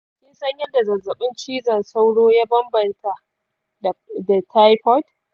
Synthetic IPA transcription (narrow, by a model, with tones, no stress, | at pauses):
kʲɪ˦nsɐ˦ɲjɐ˦da˨zɐ˨zɐ˨ɓɪ˦nt͡ʃiː˦zɐ˨nsa˦wɽoː˦ja˦bɐ˦mbɐ˨ntʰa˨ʔ | da˨tʰa˦jɸɔ˦t